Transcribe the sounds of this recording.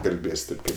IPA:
kɐlʲˈbʲeːsʲ ˈtʲeːp ˈkɐɪp

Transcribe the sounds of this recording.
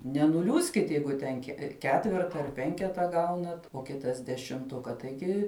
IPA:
nʲɛnʊˈlʲuːsʲkʲɪt ˈjɛɪɡʊ tʲɛn kʲɛ ˈkʲæːtʲʋʲɛrtɐ ɐr ˈpʲɛŋʲkʲɛtɐ ˈɡɐʊnɐt oː ˈkʲɪtɐs dʲɛʃʲɪmˈtʊkɐ tɐɪˈɡʲɪ

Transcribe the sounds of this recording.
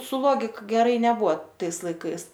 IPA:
sʊ ˈlˠoːɡʲɪk ɡʲɛˈrɐɪ nʲɛˈbʊɐ ˈtɐɪs lˠɐɪˈkɐɪs

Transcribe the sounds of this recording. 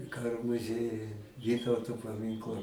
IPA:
ˈkɑːroː mʊˈzʲiɛjʊj ˈʋʲiːtɐʊtoː pɐˈmʲɪŋklˠɐ

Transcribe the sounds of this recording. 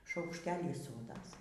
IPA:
ʃɐʊkʃʲˈtʲæːlʲiː ˈsoːdɐs

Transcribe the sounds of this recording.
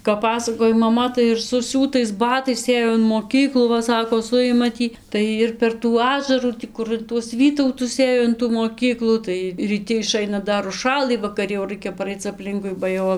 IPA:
kɐp ˈpɑːsɐkoːj mɐˈmɐ tɐɪ ɪr sʊˈsʲuːtɐɪs ˈbɑːtɐɪs ˈeːjoː ɪn moːˈkʲiːklˠuː ˈʋɐ sɐkoː ˈsʊjɪmɐ ˈtʲiː ˈtɐɪ ɪr pʲɛr tuː ˈɑːʒɐruː ˈtʲiː kʊr ɪn tuɔs ˈʋʲiːtɐʊtʊs ˈeːjoː ɪn tuː moːˈkʲiːklˠuː tɐɪ rʲiːˈtʲɪ ɪˈʃɐɪnɐ ˈdɐr ʊʃˈʃɑːlˠɨ ʋɐkɐˈrʲɪ jɛʊ ˈrɐɪkʲɛ pɐˈrɐɪt͡s ɐpʲˈlʲɪŋkʊɪ bɐ ˈjɛʊ

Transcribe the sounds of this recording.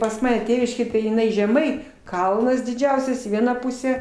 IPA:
pɐs ˈmɑːnʲɛ ˈtʲeːʋʲɪʃʲkʲeːj tɐɪ jɪˈnɐɪ ʒʲɛˈmɐɪ ˈkɐlˠnɐs dʲɪˈd͡ʒʲɛʊsʲɛs iː ˈʋʲiɛnɑː ˈpʊsʲæː

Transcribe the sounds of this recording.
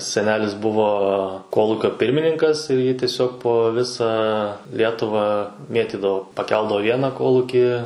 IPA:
sʲɛˈnʲæːlʲɪs ˈbʊʋoː ˈkoːlˠuːkʲoː ˈpʲɪrʲmʲɪnʲɪŋkɐs ɪr jiː tʲɪˈsʲoːk poː ˈʋʲɪsɑː ˈlʲiɛtʊʋɑː ˈmʲeːtʲiːdɐʋoː pɐˈkʲɛlˠdɐʋoː ˈʋʲiɛnɑː ˈkoːlˠʊkʲiː

